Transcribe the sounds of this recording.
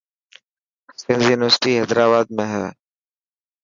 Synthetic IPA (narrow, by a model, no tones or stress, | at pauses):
sɪ̃nzjuːnɪʋəɾsʈiɦɛːd̪ɾaːbaːd̪̚mẽɦɛː